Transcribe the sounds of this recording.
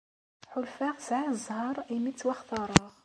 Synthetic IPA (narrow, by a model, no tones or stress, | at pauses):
ħʊlfaʁsʕazˤhɑɾˤimit͡sːwæχt̪ɑɾˤɑʁ